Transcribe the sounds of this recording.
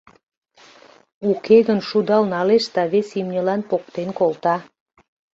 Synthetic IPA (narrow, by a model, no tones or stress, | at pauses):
ukʰeɣənʃud̪ɑlnɑleʃd̪ɑβesimnʲəlɑnpok̚t̪enkolt̪ɑ